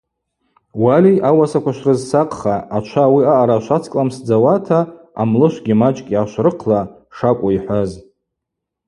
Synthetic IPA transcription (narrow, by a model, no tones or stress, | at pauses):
waliʔawasakʷʰaʃrɨzsaqʼχaːt͡ʃʷʰawiaʔaɾaʃʷat͡sʰkʼlamsd͡zawatʰa | a̰mlɨʃʷɡʲimat͡ʃʼkʲʼiaʃʷrɨqʰla | ʂakʷʼaiħʷaz